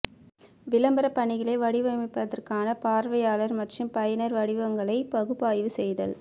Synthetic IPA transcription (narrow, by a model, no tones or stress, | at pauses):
ʋɪlɐmbɐɾɐpːɐɳɪɣɐɭeːʋɐɽɪʋɐmɪpːɐðɐrkaːnɐpaːɾʋɐjaːlɐɾmɐʈrɯmpɐjɐnɐɾʋɐɽɪʋɐŋɡɐɭɐɪpɐɣɯpːaːjʋɯsɛjðɐ̰l